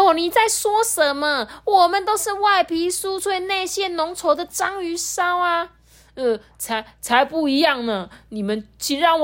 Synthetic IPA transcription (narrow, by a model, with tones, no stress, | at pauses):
o˨˩ni˨˩t͡sa˥˩ɪswɔ˥ʂə˨˦nmə˧wɔ˨˩mə˦nt̪o˥ʊʂɻ̩˥˧wa˥˩ɪpʰi˧˥su˥tʰwe˥˧ɪna˥˧ɪɕjɛ˥nʊ˧˥ŋt͡sʰo˧˥ʊd̪ə˨ʈ͡ʂɑ˥ŋy˧˥ʂɑ˥ʊa˧ | ə˥˧˩ | t͡sʰa˧˦ɪt͡sʰa˧˥ɪpu˥˩i˧˥jɑ˥˩ŋnə˩ni˨˩mə˨˦nt͡ɕʰi˧˥ɻɑ˥˩ŋ